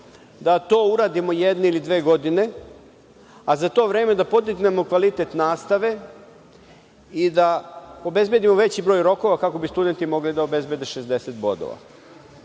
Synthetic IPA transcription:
d̪at̪o̞ːuɾaːd̪imo̞jed̪neilid̪ʋeːɡo̞d̪ine̞ | azat̪o̞ːʋɾe̞ːme̞d̪apo̞d̪iɡne̞mo̞kʋalit̪e̞t̪naːst̪aʋe̞ | id̪ao̞be̞zbje̞d̪imoʋe̞t͡ɕibɾoːjɾo̞ko̞ʋakako̞bist̪ud̪e̞nt̪imo̞ɡlid̪aobe̞zbʲjed̪eʃezd̪e̞set̪̚bo̞̰d̪o̰ʋa̰

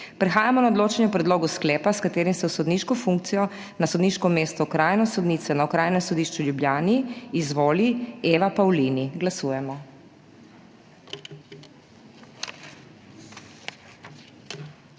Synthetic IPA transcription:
pɾɛxaːjamɔnaɔd̪loːt͡ʃɛnjupɾɛd̪loːɡusklɛːpaskat̪eːɾimsɛwsɔd̪niːʃkɔfuŋk̚t̪sijɔ | nasɔd̪niːʃkɔmeːst̪ɔkɾaːjnɔsɔd̪niːt̪sɛnawkɾaːjnɛmsɔd̪iːʃt͡ʃuljubljaːniːzʋoːlieːʋapawliːniɡlasuːjɛmɔ

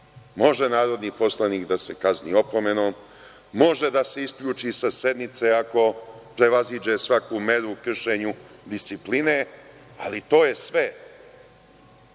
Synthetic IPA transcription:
mo̞ʒe̞naːɾo̞d̪nipo̞slˠaniːkd̪ase̞kaznḭo̞po̞me̞noːmː | o̞ʒe̞d̪ase̞iskʎuːt͡ʃisase̞d̪nit̪seako̞pɾe̞ʋazid͡ʒe̞sʋakume̞ɾukr̩ʃe̞ːɲud̪ist̪sipline̞ | a̰lit̪o̞ːje̞sʋe

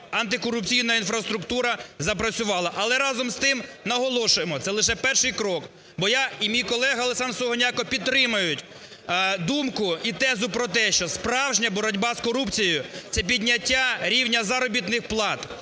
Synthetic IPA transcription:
ɐnt̪ɪkɔɾʊpt͡sʲijnɐinfɾɐst̪ɾʊkt̪uɾɐzɐpɾɐt͡sʲʊʋɑlˠɐʔɐlˠɛɾɑzɔmst̪ɪmnɐɦɔlˠɔʃʊjemɔt̪sɛlˠɪʃ̬ɛpɛrʃɪjkɾɔk | bɔjaimʲijkɔlˠɛɦɐɐlˠesɑnsɔɦɔnʲakɔpʲid̪̚t̪ːɾɪmɐjʊtʲ | d̪umkʊit̪ɛzʊpɾɔt̪ɛʃt͡ʃɔspɾɑwʒnʲɐbɔɾɔdʲbɑskɔɾupt͡sʲijʊt̪sɛp̬ʲidʲnʲɐtʲːaɾʲiwnʲɐzɐɾɔbʲit̪nɪxplˠɑt̪

